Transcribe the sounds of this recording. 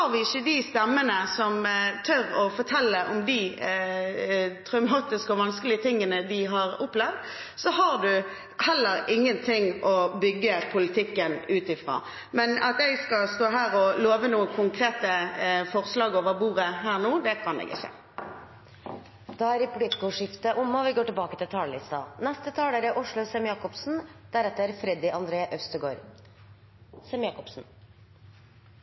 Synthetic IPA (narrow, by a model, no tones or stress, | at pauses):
hɑʁʋɪɪçːəd̪ist̪ɛmːənəsɔmt̪ʰœɾɔfɔʁt̪ʰɛlːəʔɔmd̪ɪ | t̪ʰʁœʉmɑːt̪ɪskəɔʋɑnskəlɪət̪ʰɪŋːənəd̪ɪɦɑɾʊpːlɛʋd̪ | sɔɦɑʁd̪ʉ | hɛlːəɾɪŋːənt̪ʰɪŋɔbʏɡːəpʰʊlɪt̪ʰɪkːənʉːt̪ɪfʁo̰ː | mɛnɑt̪ɛɡskɑst̪oːɦæːʁɔloːʋənuːəkʰʊŋkʰʁeːt̪əfɔʁslɑːɡoːʋəʁbuːʁəɦæːʁnuːd̪ɛkʰɑnɛ̰ɡɪ̰çə̰ | d̪̥ɑæɾɪpʰʊlɪt̪ɡoːʂɪft̪əʔʊmːɑʋɪɡoːʈɪlbɑːkət̪ɪlt̪ʰɑːllɪst̪ɑ̰nɛst̪ət̪ʰɑːləɾɛʔʊʂɭʊsɛmjɑːkɔpsn̩d̪̥æɾɛt̪ːəɾfɾɛd̪ɪʔɑnd̪ɾeːʔœst̪əɡoːɾ | sɛmjɑːkɔpsn̩